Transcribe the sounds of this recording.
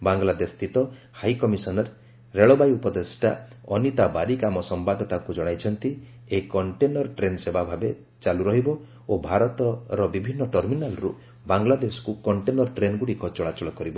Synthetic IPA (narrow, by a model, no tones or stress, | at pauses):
baŋɡlad̪est̪ʰit̪ɔ | hajkɔmisɔnɔɾ | ɾeɭɔbajupɔd̪esʈa̰ɔnit̪abaɾikamɔsɔmbad̪ɔt̪akud͡ʒɔɽ̃ajt͡ʃʰɔnt̪i | ekɔɳʈenːɔɾʈɾensebabʱabe | t͡ʃaluɾɔɦibɔ | obʱaɾɔt̪ɔɾɔbibʱinːɔʈɔɾminalɾṵ | baŋɡlad̪esɔ̥kukɔɳʈenɔɾɔʈɾenɡuɽikɔt͡ʃɔɭat͡ʃɔɭɔkɔɾibɔ